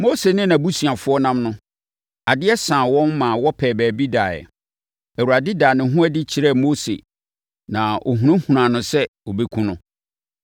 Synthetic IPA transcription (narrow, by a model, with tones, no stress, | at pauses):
mo˦se˨nɪ̃˦nã˨bu˦si˨a˨fʊ˦ɔ˦nã˦mnʊ̃˦ | a˨dɪ˦ɛ˦sãː˨wɔ̃˦nmã˨wɔ˦pʰɛː˨bɛː˨bi˦daː˨ɛ̰˨ | æ˨wu˨ɾa˨dɪ˦daː˨nɪ̃˨ɦʊ̃˦ɛ˦dɪ˦t͡ɕʰi˨ɾɛ˦˨mo˦sḛ˨ | nã˨ʔo̰˨ɦũ˨nʊ̃˦hũ˨ɾã˨nʊ̃˦sɛ˦o˨be˦kʰũ˦nʊ̃˦